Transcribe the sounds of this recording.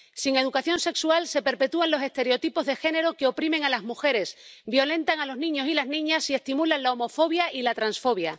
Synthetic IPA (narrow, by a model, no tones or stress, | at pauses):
siŋe̞ð̞ukaθjo̞nse̞ksualse̞pe̞ɾpe̞t̪uanlo̞se̞st̪e̞ɾeo̞t̪ipo̞zðe̞xe̞ne̞ɾo̞keo̞pɾimeŋalazmuxe̞ɾe̞sbjo̞lẽ̞nt̪aŋalo̞znĩɲo̞silaznĩɲasie̞st̪imulanlaomo̞fo̞β̞jaʔilat̪ɾansfo̞β̞ja